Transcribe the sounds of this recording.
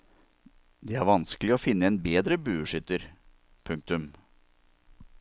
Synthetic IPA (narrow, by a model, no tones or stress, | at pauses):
d̪eːæɾʋɑnsklɪɔːfɪnːəeːnbeːd̪ɾəbʉːʉʂʏt̪əɾ | pʰʉŋk̚t̪ʉm